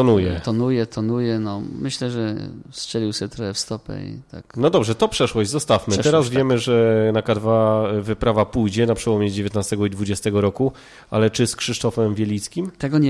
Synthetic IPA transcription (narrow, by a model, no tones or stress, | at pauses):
t̪ɔnujɛt̪ɔnujɛt̪ʰɔnujɛnɔmɘɕlɛʐɛstɛlʲiwsɛt̪ɾɔxɛfst̪ɔpɛ̰ḭt̪a̰knɔd̪ɔbʐɛt̪ɔpʂɛʂwɔʑd͡ʑzɔst̪afmɘt̪ɛɾazvʲjɛmɘʐɛnakad̪vavɘpɾavapujd͡ʑɛnapʂɛwɔmʲjɛd͡ʑevʲjeɛt̪nast̪ɛɡɔid̪vud͡ʑɛst̪ɛɡɔɾɔku | a̰lɛt͡ʂɘskʂɘʂt̪ɔfɛmvʲjɛlʲit̪skʲimt̪ɛɡɔɲ